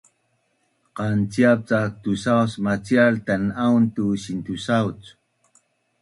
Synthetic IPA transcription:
qɑnt͡sjap̚t͡sak̚t̪usawsmat͡sjaɾt̪anant̪usint̪usawt͡s

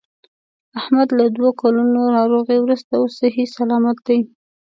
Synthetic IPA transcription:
ahmad̪lad̪wokalunonɑɾoɣewɾust̪aosɪɦisalɑmat̪̚d̪aj

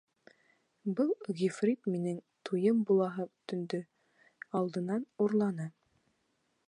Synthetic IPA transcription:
bɤlˠɣʲifrʲit̪minɘŋt̪ʰujɤmbulˠɑɦɤt̪ɵ̆nd̪ɵ | ɑlˠd̪ɤ̆nɑnuɾlˠɑnɤ

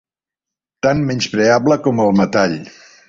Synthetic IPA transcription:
t̪anmɛnspɾeabləkɔməlˠmət̪aʎ

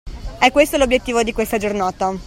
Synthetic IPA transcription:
ɛkːwest̪olobjet̪ːiːvod̪ikwest̪ad͡ʒornaːt̪a

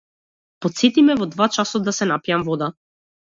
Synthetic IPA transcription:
pɔt̪sɛt̪imɛvɔd̪vat͡ʃasɔd̪asɛnapijamvɔd̪a

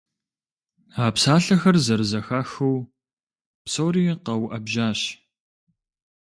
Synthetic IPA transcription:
aːpsaːɬɐxɐrzɐrzɐxaːxuw | psoːɾiːqɐwʔɐbʒaːɕ

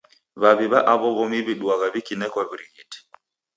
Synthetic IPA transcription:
βaβiβaʔaβɔβɔmiβiɗwaɣaβikinɛkwaβiɾiɣiti̥

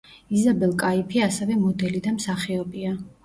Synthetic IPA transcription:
izabɛlˠkʼaipʰiasɛvɛmɔd̪ɛlid̪amsaχiɔbia

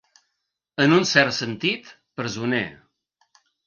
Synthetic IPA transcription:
ənunsɛrt̪sənt̪it̪ | pɾəzunḛ

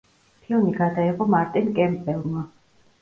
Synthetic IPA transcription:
pʰilˠmiɡad̪aiʁɔmaɾt̪ʼɛnkʼɛmbɛlˠma

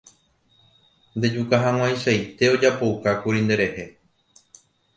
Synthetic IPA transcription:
nd̪e̞d͡ʒukaɦãw̃ãj̃ʃajt̪e̞o̞d͡ʒapo̞ukakuɾind̪e̞ɾe̞he̞

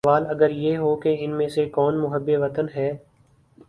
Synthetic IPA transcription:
ʋaːləɡəɾjeːɦoːkeɪnmẽːsekɔːnmʊɦəbːeːʋət̪ənɦɛː

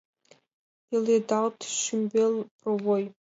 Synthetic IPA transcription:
iledaltʰʃɪmbelprowoj

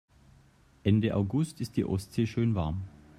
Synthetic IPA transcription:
ʔɛndəʔa̰ʊɡʊstɪstd̥ḭːʔɔstz̥eːʃøːnvaɐm

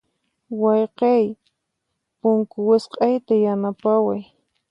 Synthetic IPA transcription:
wɑjqɑj | pʊŋkʊwɪsqʼɑjt̪ajanapawaj

